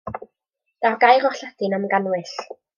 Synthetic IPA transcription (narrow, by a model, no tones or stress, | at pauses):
d̥aɡajʁɔχɬadɪnamɡanwɪɬ